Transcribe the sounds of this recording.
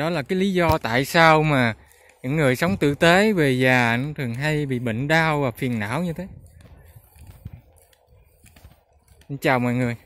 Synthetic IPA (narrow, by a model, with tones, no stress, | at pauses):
ɗɔ˨˦laː˨˩kaː˨˦jli˨˦zɔ˧t̪a̰ː˧˨jsaː˧wmaː˨˩ | ɲɨ̰˧˥ŋːɨ˨˩əjsə˨˦wŋ͡mt̪ɨ̰˧˨t̪e˨˦ve˨˩zaː˨˩˨t̪ʰɨ˨˩əŋɦa˧jɓḭ˧˨ɓḭ˧˨ŋ̟ɗaː˧wvaː˨˩fi˨˩ənna̰ː˧˨wɲɨ˧t̪ʰe˨˦˧ | ə˧ŋt͡ɕaː˨˩wmɔ̰˧˨jŋɨ˨˩əj